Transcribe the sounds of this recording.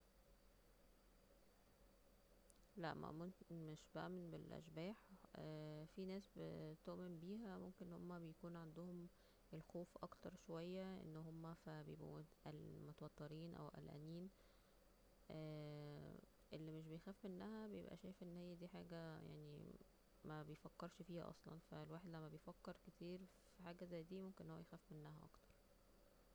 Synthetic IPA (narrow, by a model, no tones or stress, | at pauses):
læ̰ʔmæ̰mmeʃbæʔæmenbelʔæ̰ʃbæːħʔæːfinæːsbḛt̪oʔmembiːɦæmomkenʔnhomːæbejækuːnʕand̪ohom | ʔelxoːfʔɑkt̪ɑɾˤʃowæjːæʔḛnːɦomːæfæbejebʔṵmʔælmot̪æwɑt̪ːeɾiːnʔæ̰wʔæ̰lʔæ̰niːn | ʔæ | ʔelːimeʃ̬bejxæːfmenːæhæbejḛbʔæ̰ʃæːjfʔenːhejːæd̪iːħaːɡæja̰ʕnḭ | mæbejfækːeɾˤʃfiːhæ̰ʔɑ̰sˤlɑ̰nfæ̰lwaːħed̪læmːæbejfækːeɾket̪ʰiːɾfiħaːɡæzæjːd̪iːmomkenenːhowːæjexæːfmenːæɦæʔɑ̰kt̪ɑ̥ɾˤ